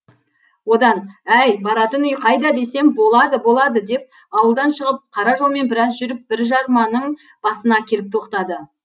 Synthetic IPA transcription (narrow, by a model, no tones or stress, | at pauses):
wo̞d̪ɑnæjbɑɾɑt̪ənʏjqʰɑjd̪ɑd̪e̞se̞mbo̞lˠɑd̪əbo̞lˠɑd̪əd̪e̞p̚ | ɑwəlˠd̪ɑnʃəʁəp̚qʰɑɾɑʒo̞lˠme̞nbɪɾɑsʒʏɾɪp̚bɪɾʒɑɾmɑnəɴ | b̥ɑsənɑkʲʰe̞lɪp̚t̪ʰo̞qt̪ɑd̪ə